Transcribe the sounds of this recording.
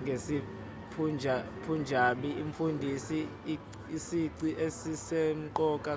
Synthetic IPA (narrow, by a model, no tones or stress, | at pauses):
ŋɡʱesi | pʰund͡ʒʱapʰund͡ʒʱaɓiiɱfundʱisi | isiǀiʔesisem̩ǃɔkʼa